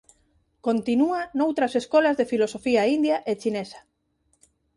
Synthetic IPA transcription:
kont̪inuanowt̪ɾɐseskɔlɐzðefilosofiaind̪jaʔet͡ʃinesɐ̥

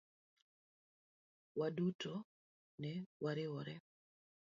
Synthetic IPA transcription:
wadutʰo | nɛwaɾɪwɔɾɛ

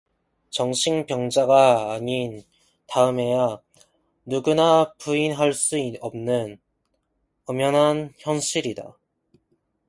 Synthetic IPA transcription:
t͡ɕʌŋɕʰiŋpjʌŋd͡ʑaɡaːɲin | taɯme̞ja | nuɡunapuinɦaɭs͈uiʌmnɯn | ʌmjʌnɦançjʌnɕʰiɾida̰

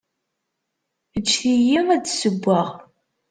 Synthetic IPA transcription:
ət͡ʃːθijiŋæt͡sːsəbʷːaʁ

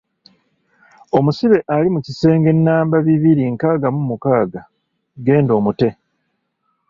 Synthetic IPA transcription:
o̞musiβe̞ʔalimucise̞ːŋɡe̞nːaːmbaβiβiɾiŋkaːɡamumukaːɡa | ɡe̞ːndo̞ːmute̞

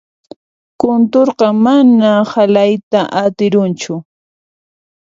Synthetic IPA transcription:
kʊnt̪oɾqɑmanahalajt̪aʔat̪ɪɾʊnt͡ʃʊ

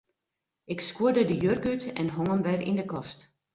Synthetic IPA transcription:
ʔɪkskwuədədəjørkytɛ̰nɦɔŋəmʋɛrḭndəkɔst

